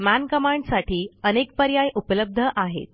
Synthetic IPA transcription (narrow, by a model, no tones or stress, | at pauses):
mænkəmaɳɖsaʈʰiːənek̚pəɾjajʔupələb̚d̪ʱəʔaɦḛt̪̚